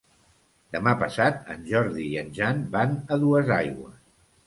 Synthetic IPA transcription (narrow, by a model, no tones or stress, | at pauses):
d̪̥əmapəsat̪ə̰nʒɔɾðiiənʲʒanbanəðuəzajɣwə̰s